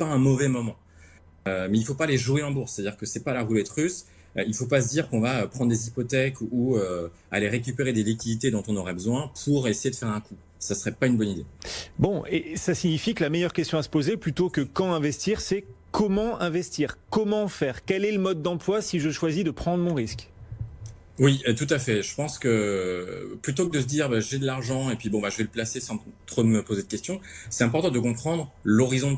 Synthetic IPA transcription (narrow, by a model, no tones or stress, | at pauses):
paɛ̃mɔvɛmɔmɑ̃ | ømɛilfopaleʒueɑ̃buʁst̪ad̪iʁkəsɛpalaʁulɛt̪ʁys | ilfopas̬əd̪iʁkɔ̃vaøpχɑ̃d̪ʁd̪ezipɔt̪ɛkuø | aleʁek̬ʲypeʁed̪elik̬ʲid̪it̪ed̪ɔ̃t̪ɔ̃nɔʁɛbəzwɛ̃pʰuʁesejed̪əfɛʁɛ̃ku | sasəʁɛpaynbɔnid̪ebɔ̃ʔesasiɲifikəlamejœʁkʲɛst̪jɔ̃asə̥pozeplyt̪okəkɑ̃ɛ̃vɛst̪iʁsɛkɔmɑ̃ɛ̃vɛst̪iːʁkɔmɑ̃fɛːʁkʲɛlɛləmɔd̪̚ːɑ̃plwasiʒəʃwazid̪əpχɑ̃d̪ʁəmɔ̃ʁisk | wit̪ut̪afɛʒəpɑ̃skə | plyt̪okəd̪əs̬əd̪iʁbaʒed̪əlaʁʒɑ̃epɥibɔ̃baʒəvɛləplasesɑ̃t̪χod̪əməpozed̪əkʲɛst̪jɔ̃sɛt̪ɛ̃pɔʁt̪ɑ̃d̪əkɔ̃pχɑ̃d̪ʁlɔʁizɔ̃